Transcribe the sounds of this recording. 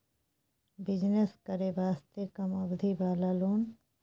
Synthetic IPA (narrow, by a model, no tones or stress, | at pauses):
bɪd͡ʒneskəɾebaːst̪ekɐmɐbd̪ʱibaːlaːloːn